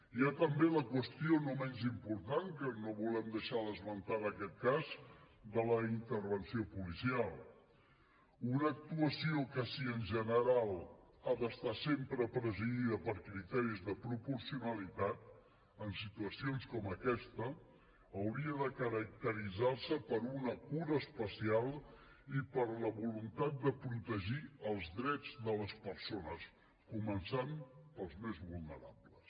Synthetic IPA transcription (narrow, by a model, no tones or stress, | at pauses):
iat̪əmbeləkwəst̪ionomɛnzimpuɾt̪aŋkənoβulɛmd̪əʃaðəzmənt̪aɾəkɛt̪̚kaz | d̪ələint̪əɾβənsiopulisialˠ | unəːk̚t̪uəsiokəsiənʲʒənəɾalˠ | aðəst̪asempɾəpɾəziɣiðəpəɾkɾit̪ɛɾizðəpɾupuɾsiunəlit̪at̪̚ | ənsit̪uəsionskɔməkɛst̪əː | wɾiəðəkəɾək̚t̪əɾid͡zaɾsəpəɾunəkuɾəːspəsialˠ | ipəɾləβulunt̪at̪̚d̪əpɾut̪əʒiəlˠzðɾɛd͡zd̪ələspəɾsonəs | kumənsampəlˠzmezβulˠnəɾa̰bləs